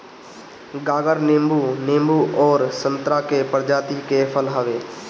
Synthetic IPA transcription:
ɡaːɡəɾnẽːmbuːnẽːmbuʔɔːɾsə̃nt̪ɾakepəɾd͡ʒaːt̪ikepʰəlɦəʋeː

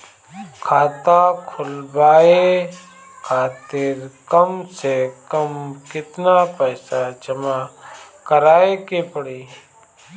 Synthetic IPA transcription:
kʰaːt̪akʰʊlbaːe | kʰaːt̪ɪɾkəmsekəmkɪt̪napəːsad͡ʒəma | kəɾaːekepəɽiː

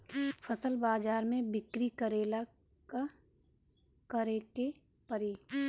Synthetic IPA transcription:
fʰəsəlbaːd͡ʒaːɾmẽbɪkɾikəɾeːla | ka | kəɾeːke | pəɾiː

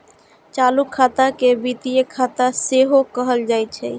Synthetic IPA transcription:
t͡ʃalukʰːat̪akebit̪ijekʰːat̪aseɦokəɦəld͡ʒaj̚t͡ʃʰɛ

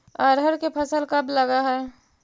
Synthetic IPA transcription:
əɾɦəɾkepʰəsəlkəbləɡaɦɛː

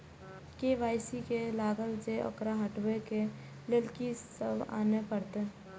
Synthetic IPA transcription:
keʋaːɪsikelaːɡəld͡ʒeɔ̰kɾaɦəʈweke | lɪlkisəba̰ːnepəɽt̪e

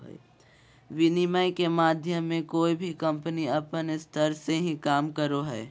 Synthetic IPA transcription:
ʋɪnimajkemaːd̪ʱjəmːẽkoːibʱikə̃mpəniɐpənɪst̪ʰəɾseɦĩkaːmkəɾoɦɛː

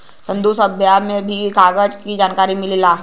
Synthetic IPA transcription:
sə̃nd̪usəbʱjamẽbʱiɡaːɡəd͡ʒkid͡ʒaːnkaːɾimɪlila

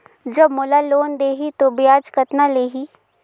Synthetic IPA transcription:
d͡ʒɐbmʊlaloːnd̪eːɦit̪objaːd͡ʒkət̪naleːɦi

